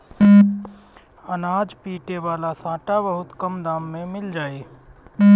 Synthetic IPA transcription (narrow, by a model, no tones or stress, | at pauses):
ɐnaːd͡ʒpiːʈeʋaːlasãːʈabəɦʊt̪kɐmd̪aːmːẽmɪld͡ʒaːeː